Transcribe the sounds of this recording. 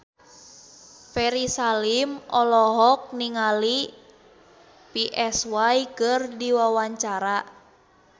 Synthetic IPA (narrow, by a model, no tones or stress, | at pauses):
fɛɾisalimɔlɔɦɔk̚niŋali | piʔɛswaikɨrdiwawaɲt͡ʃaɾa